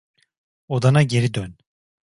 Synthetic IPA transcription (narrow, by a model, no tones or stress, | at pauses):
od̪anaɟe̞ɾid̪øn